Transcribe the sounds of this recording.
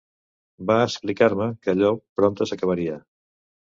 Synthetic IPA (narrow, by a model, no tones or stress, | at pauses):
baəsplikaɾməkəʎɔpɾɔnt̪əsəkəβ̞əɾiə